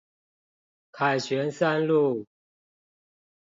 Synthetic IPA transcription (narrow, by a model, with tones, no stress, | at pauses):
kʰa˨˩ɪt͡ɕʰɥɛ˨˦nsa˥nlu˥˨